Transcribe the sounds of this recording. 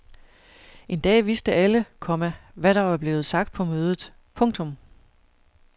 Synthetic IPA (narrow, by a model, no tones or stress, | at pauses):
ʔe̝nd̥ɛ̰ːʋisd̥əʔæləkʰɒ̽mæʋæɾɑ̈ʋɑ̈b̥le̝ːð̞̩ˠsɑ̈ɡ̥̚d̥̚pʰɒ̽møːð̞ˠð̩ˠ | pʰɔ̽ŋ̰t͡sʰɔ̽m